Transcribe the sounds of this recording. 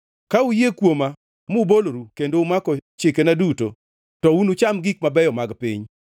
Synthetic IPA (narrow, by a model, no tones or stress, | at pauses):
kaujekwoma | mʊboloɾukendoʊmakɔt͡ʃɪkenaduto̰ | tɔunʊt͡ʃamɡik̚mabɛjɔmaɡpḭɲ